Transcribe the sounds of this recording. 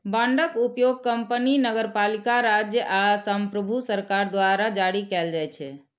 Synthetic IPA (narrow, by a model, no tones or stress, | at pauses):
bãɳɖəkupjoɡ̚kəmpəninəɡəɾpalikaɾad͡ʒjəʔasəmpɾəbʱusəɾkaɾd̪ʋaɾad͡ʒaɽikɛld͡ʒajt͡ʃʰɛ